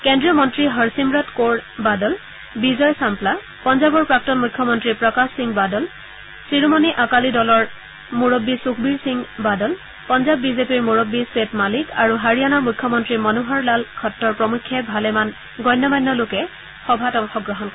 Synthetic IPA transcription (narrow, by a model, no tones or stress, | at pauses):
kɛndɹiɔmɔntɹiɦɔɹsimɹɔtkoɹbadɔl | bizɔjsampla | pɔnzabɔɹpɹak̚tɔnmukʰːjɔmɔntɹipɹɔkassiŋbadɔl | sɹiɹumɔniʔakalidɔlɔɹ | muɹobːisukʰbiɹsiŋbadɔl | pɔnzabːizepiɹmuɹobːiswetmalikaɹuɦaɹijanamukʰːjɔmɔntɹimɔnuɦaɹlalkʰɔtːɔɹpɹɔmukʰːɛbʱalɛman | ɡɔjnːɔmajnːɔlʊkɛ | xɔbʱatɔŋxɔɡɹɔɦɔnkɔɹ